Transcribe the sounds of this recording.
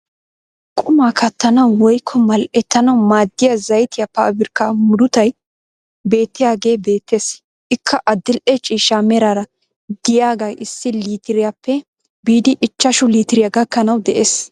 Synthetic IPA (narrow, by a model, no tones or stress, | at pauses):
kʼʊmaːkʰɐt̪ːɐnɐwwɔjkʰːɔmɐlʔɛt̪ːɐnɐwmaːd̪ːɪjɐzɐjt̪ɪjɐpɐːbɪɾkːamʊd̪ʊt̪ɐj | be̞ːt̪ːɪjaːɡe̞ːbe̞ːt̪ːe̞ːs | ʔɪkʰːɐʔɐd̪ːɪlʔɛt͡ʃʼiːʃamɛɾaɾɐ | d̪ɪjaːɡɐjɪsːɪliːt̪ɪɾɪjapːɛ | biːd̪ɪʔɪt͡ʃːɐʃʊliːt̪ɪɾɪjaɡɐkːɐnɐwd̪ɛʔeːs